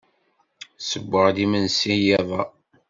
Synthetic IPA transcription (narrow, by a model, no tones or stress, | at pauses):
səbːəʁd̪imənsijævæ